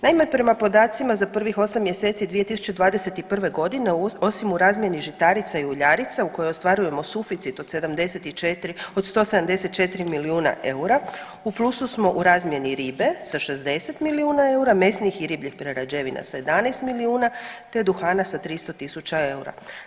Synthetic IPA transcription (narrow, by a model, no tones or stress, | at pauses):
naimapɾe̞mapo̞d̪aːt̪simazapr̩ʋixo̞samːje̞se̞t̪sid̪ʋije̞t̪isu̥t͡ɕe̞d̪ʋaːd̪ese̞t̪ipr̩ʋe̞ɡo̞d̪ineo̞simuɾaːzmʲje̞niʒit̪aɾit̪saiuʎaɾit̪sauko̞joo̞st̪ʋaɾuje̞mo̞sufit̪sit̪o̞d̪se̞d̪amd̪e̞set̪it͡ʃet̪ɾio̞d̪st̪o̞sed̪amd̪e̞se̞t̪̚t͡ʃe̞t̪iɾimiliuːna̰ʔe̞uɾa | uplˠususmo̞ʔuɾaːzmje̞niɾiːbe̞saʃe̞zd̪e̞se̞t̪miliuːnae̞uɾame̞snixiɾiːbʎixpɾeɾad͡ʑeʋina̰saje̞d̪amnajst̪miliuːnat̪e̞d̪uxaːnasat̪ɾist̪ot̪isut͡ɕae̞uɾa̰